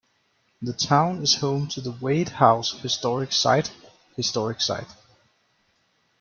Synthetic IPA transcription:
ðətʰãʊ̃nɨz̥hõʊ̃mtʰɨðəweɪd̚haʊshɨstɔɹɪksa̰ɪt | hɨstɔɹɨksa̰ɪt̚

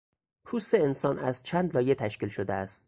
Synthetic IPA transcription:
pʰuːst̪eensɒːnæzt͡ʃʰæːnd̪lɒːje̞t̪ʰæʃciːlʃod̪eæst̪

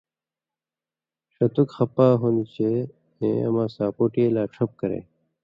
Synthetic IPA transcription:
ɕɐt̪ukxɐpaːɦonit͡ɕe | ẽːɐ̰mãːsaːpoːʈielaːʈ͡ʂʰɐp̚kɐɾḛː

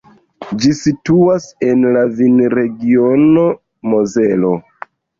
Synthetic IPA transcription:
d͡ʒisituase̞nlavinɾe̞ɡiono̞ | mozelo̞

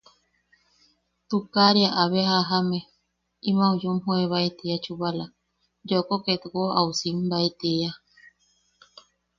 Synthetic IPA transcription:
t̪ukaɾeaʔaβeɦaɦame | imãujumhoeβait̪eat͡ʃuβala | d͡ʒokoket̪koʔausimbait̪eja

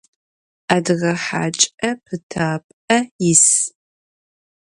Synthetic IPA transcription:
aːdʁɐħa̰ːt͡ʃʼɐpʰɨtʰaːpʼɐjɪs

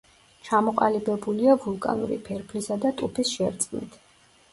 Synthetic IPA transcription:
t͡ʃʰamɔqʼalibɛbuliavulˠkʼa̰nṵɾḭpʰɛɾpʰlisad̪at̪ʼupʰisʃɛɾt̪sʼnḭt̪ʰ

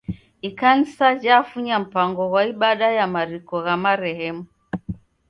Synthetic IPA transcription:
ikan̩sad͡ʒaːfuɲam̩paŋɡɔwaiɓaɗajamaɾikɔɣamaɾɛhɛmu

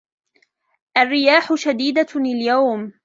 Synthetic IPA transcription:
ʔarːɪjaːħʊʃad̪iːd̪alɪljawm

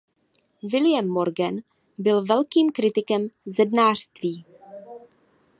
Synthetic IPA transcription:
vɪlɪjɛmːo̞ɾɡɛn | bɪlvɛlkiːmkɾɪt̪ɪkɛmzɛdnaːr̥st̪viː

